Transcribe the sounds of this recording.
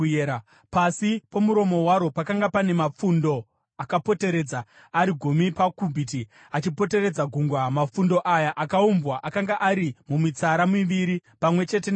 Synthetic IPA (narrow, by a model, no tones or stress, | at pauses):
pasipomuɾo̞mo̞waɾo̞pakaŋɡapane̞map͡fundo̞ | akapo̞te̞ɾe̞d͡zaː | ɾiɡʱumipakubʱit̬i | at͡ʃipo̞te̞ɾed͡zaɡʱuŋɡwamafundo̞ʔajaʔakaumbwaʔakaŋɡaʔaɾimumit͡saɾamiʋiɾipamwe̞t͡ʃe̞ten